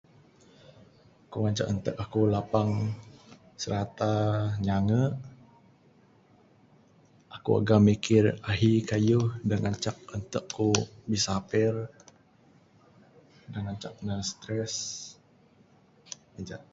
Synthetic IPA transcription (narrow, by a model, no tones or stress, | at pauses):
kuŋaɲt͡ʃakənt̪əkakulapaŋ | səɾat̪aɲaŋəʔ | akua̰ɡamikɪraɦikajuhdaŋʔaɲt͡ʃak̚ənt̪əkʰːubisapɪr | daŋaɲt͡ʃak̚nasə̥t̪ɾɛs | əd͡ʒaʔ